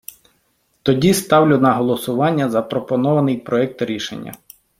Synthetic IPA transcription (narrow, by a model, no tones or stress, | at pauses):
t̪ɔdʲist̪ɑwlʲʊnɐɦɔlˠɔsʊʋɑnʲːɐzɐpɾɔpɔnɔʋɐnɪjpɾɔɛk̚t̪ɾʲiʃḛnʲːɐ̰